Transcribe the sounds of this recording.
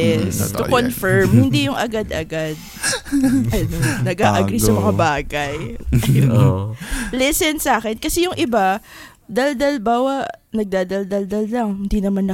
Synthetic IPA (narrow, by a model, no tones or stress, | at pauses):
ɛst̪ʊkonfɛɹmhɪnd̪ijʊŋʔɐɡad̪ʔɐɡad̪̚ | ʔɐnonɐɡaːʔɐɡɾisɐmɐŋabaːɡɐj | lɛsɛnsaːkɛnkɐsɛjʊŋʔɪba | d̪ɐld̪ɐlbaːwɐʔnɐɡ̚d̪aːd̪ɐld̪ɐld̪ɐllɐŋhɪnd̪inɐmanːɐ